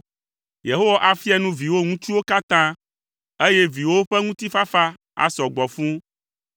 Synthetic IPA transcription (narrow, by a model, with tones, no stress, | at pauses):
je˨ɦo˦wa˦˨ʔa˨fi˦a˦nũ˦vi˨wo˦ŋũ˦t͡ʃu˦wo˦ka˦t̪ã˦ | e˦je˦vi˨wo˦ɸɛ˦ŋũ˦t̪i˦fa˦fa˦ | a̰˨sɔ˨ɡ͡bɔ˨fũ˦